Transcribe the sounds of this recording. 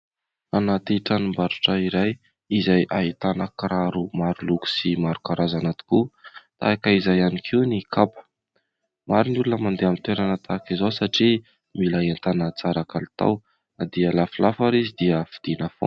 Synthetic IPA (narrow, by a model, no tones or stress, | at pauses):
anat̪iʈ͡ʂanimbaɾuʈ͡ʂəiɾaj | izajʔaɦit̪anəkɾaɾumaɾuluku̥simaɾukaɾʔazanat̪i̥kut̪a̰akaizajanikʰenikʰapə̥ | maɾinulunəmand̪eamint̪weɾanət̪ʰakizowsaʈ͡ʂi | milaɦent̪anət͡saɾakalit̪a̰w | nad̪iəlafilafaɾizid̪iəfid̪̥inəfo̰